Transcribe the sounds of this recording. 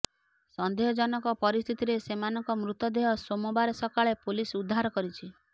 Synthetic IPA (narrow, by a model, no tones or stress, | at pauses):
sɔnd̪eɦɔd͡ʒɔnɔŋkɔpɔɾist̪ʰit̪iɾesemanɔŋkɔmɾut̪ɔd̪eɦɔsomɔbaɾɔsɔkaɭepolisud̪ʱːaɾɔkɔɾit͡ʃʰi